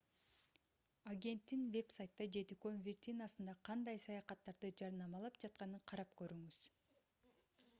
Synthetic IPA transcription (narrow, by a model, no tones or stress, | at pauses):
aɡʲe̞nt̪ːinvʲe̞psajt̪ːɑd͡ʒe̞t̪ikønvʲɪrt̪ʲinasɯnd̪ɑqʰɑnd̪ɑjsɑjɑqɑt̪ːɑɾd̪ɯd͡ʒɑɾnɑmɑlˠɑpd͡ʒɑt̪̚qɑnɯɴqʰɑɾɑp̚kø̞ɾyŋyz̥